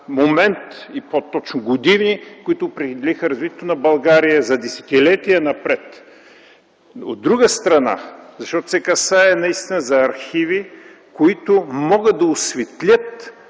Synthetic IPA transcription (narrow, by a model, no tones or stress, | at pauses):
momɛnt̪ipot̪ːɔt͡ʃnʊɡʊd̪ivnikʊit̪ʊːpɾɛxid̪ɛlixəɾɐzvit̪ʲɛt̪ʊnɐbɐlˠɡaɾijəzɐd̪ɛsɛ̥t̪ilɛt̪ijənɐpɾɛt̪ | o̰d̪ːɾuɡəst̪ɾɐna̰zɐʃt̪ɔt̪ʊ̥sɛkɐsaɛnɐist̪inəzɐɐɾxivi | koit̪ʊmɔɡət̪ːɐʊsvɛt̪lʲət̪